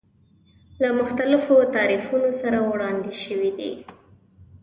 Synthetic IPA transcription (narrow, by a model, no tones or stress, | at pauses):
lamʊxt̪alɪfot̪ɑɾifunosaɾawɽɑnd̪eʃəwid̪ḭ